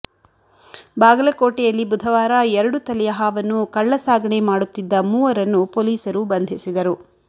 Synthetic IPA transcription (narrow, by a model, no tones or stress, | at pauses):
baːɡɐlɐkoːʈɛjɐlːibud̪ʱɐʋaːɾɐɛɾɐɽut̪ɐlɛjɐɦaːʋɐnːukɐɭːɐsaːɡɐɳemaːɽut̪ːid̪ːɐmuːʋɐɾɐnːupoːliːsɐɾubɐnd̪ʱisid̪ɐɾu